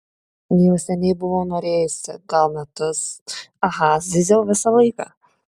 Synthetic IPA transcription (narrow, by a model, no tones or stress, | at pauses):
jɛʊsʲɛnʲɛɪbʊʋoʊnoːɾʲeːjʊsʲɪɡɐlˠmʲɛt̪ʊsɐɦɐsd̪ʲɪd̪ʲɛlʋʲɪsɑlˠɐɪkɑ